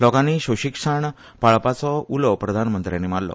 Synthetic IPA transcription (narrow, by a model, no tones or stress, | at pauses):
lɔkãniɕoɕikʂəɳ | paɭpat͡sɔulɔpɾəd̪ʱanmənt̪ɾjanːimaɽlɔ̰